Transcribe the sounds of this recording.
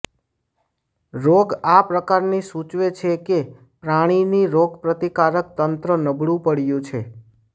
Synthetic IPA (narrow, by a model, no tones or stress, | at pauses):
ɾoɡapɾəkaɾnisut͡ʃʋet͡ʃʰeke | pɾaɽ̃iniɾoɡpɾət̪ikaɾək̚t̪ənt̪ɾənəbʱɽũpəɽjũt͡ʃʰe